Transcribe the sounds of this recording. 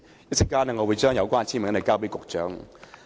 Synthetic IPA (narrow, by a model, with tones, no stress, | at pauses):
ji˥t͡sʰi˧˥˩kaː˥nə˧ŋɔ˨˧wu˨˧˦t͡ʃœː˥ŋjɐ˨˧ʊwkwa˥˧nt͡ɕʰi˥˩mə˨˥˦lə˨˩ka˥˧wpe˥˩kʊ˨˩k̚t͡ʃœ˨˥ŋ